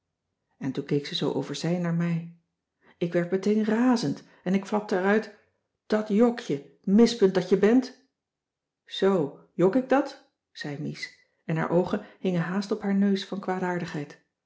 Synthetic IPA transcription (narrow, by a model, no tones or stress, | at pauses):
ɛntunkejksəzowʔo̰wvəɹzɛjnaːɹmɛj | ɪkʋɛɹtmətejnraːzənt | ɛnɪkflɑp̚təɛɾœɥt | d̥ɑtjɔkjə | mɪspɵnt̚dɑtjəbɛnt | z̥ow | jɔkɪɡ̚dɑt | z̥ɛjmis | ɛnɦa̰ːɹʔowχənɦɪŋənɦaːstɔpɦaːɹnøɥsfɑnkʋaːdaːɹdəχɦɛjt